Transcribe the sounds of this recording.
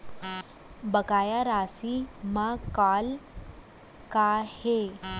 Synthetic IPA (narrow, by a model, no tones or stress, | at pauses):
bəkajaɾasimakal | kahe